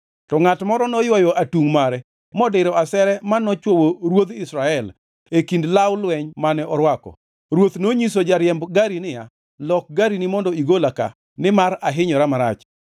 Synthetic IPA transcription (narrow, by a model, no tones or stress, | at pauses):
tɔŋatmɔɾɔnɔjwɔjɔʔatuŋmaɾɛ | mɔdɪɾɔasɛɾɛmanɔt͡ʃwowoɾwod̪ɪsɾaɛl | ekindlawlwɛɲmanɛɔɾwakɔ̰ | ɾwot̪noɲis̬od͡ʒaɾjɛmbɡaɾinɪa | lɔk̚ɡaɾinimɔndɔiɡolaka̰ | nɪmaɾaɦɪɲɔɾamaɾa̰t͡ʃ